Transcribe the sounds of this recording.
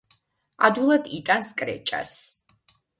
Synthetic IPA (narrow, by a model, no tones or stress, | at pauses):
ad̪ulˠad̪it̪ʼanskʼɾɛ̰t͡ʃʼa̰s